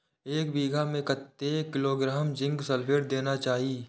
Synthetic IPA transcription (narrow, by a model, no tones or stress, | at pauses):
eːkbiːɡʱamẽkət̪ːekɪloːɡɾaːmd͡ʒɪ̃ŋɡsəlpʰeɾd̪eːnat͡ʃaːɦiː